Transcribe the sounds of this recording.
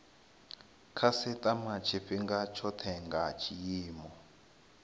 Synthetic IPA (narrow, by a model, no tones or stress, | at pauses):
kʰasɛtʼamat͡ʃʰiɸiŋɡat͡ʃʰɔtʰɛŋɡat͡ʃʰijiːmɔ